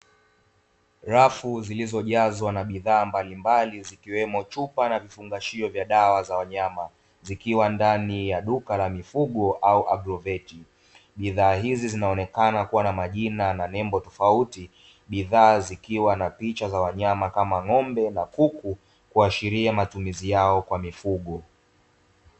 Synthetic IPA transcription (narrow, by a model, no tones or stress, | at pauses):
ɾafuzilizɔʄazwanaɓiðaːmbalimbalizikiwɛmɔt͡ʃupanavifuŋɡaʃiɔvjaɗawazawaɲama | zikiwandanijaɗukalamifuɠɔʔauʔabɾɔvɛti | ɓiðaːɦizizinaɔnɛkanakuwanamaʄinananɛmbɔtɔfauti | ɓiðaːzikiwanapit͡ʃazawaɲamakamaŋɔmbɛnakuku | kuaʃiɾiamatumizijaɔkwamifuɠɔ